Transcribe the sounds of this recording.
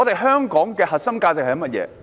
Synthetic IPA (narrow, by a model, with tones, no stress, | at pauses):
ɔ˨˧t̪e˨jɦœː˥ŋkɔː˨˥ŋkɛː˧hɐ˨t̚sɐ˥mkaː˧t͡sɪ˨k̚hɐ˨jɐ˥mɐ˥t̚jɛ̰ː˨˧˦